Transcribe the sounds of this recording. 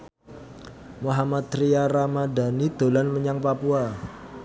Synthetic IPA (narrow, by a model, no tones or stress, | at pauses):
muɦamat̪ɾijaɾamada̤nid̪̥o̤lanməɲaŋpapua